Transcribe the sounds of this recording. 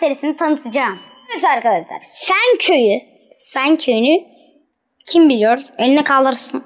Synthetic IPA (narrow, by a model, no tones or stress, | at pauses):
seɾisinɛt̪ʰanɯt̪ʰɯd͡ʒaːm | evet̪aɾkʰad̪aʃlˠa̰ɾfæncʰøjy | fæncʰøjyny | cʰimbilʲijoɾelʲinɛkʰalˠɯɾsɯn